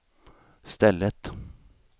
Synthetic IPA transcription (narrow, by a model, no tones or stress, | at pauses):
st̪ɛlːət̪